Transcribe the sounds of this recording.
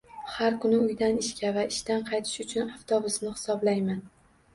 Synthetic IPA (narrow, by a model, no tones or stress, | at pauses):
haɾkʰʊnɪʊjd̪anɪʃkʲʰavaɪʃt̪anqʰɑjt̪ʰɪ̥ʃʊt͡ʃʰʊnaft̪ʰobʊsnɪhɪ̥sɒblajman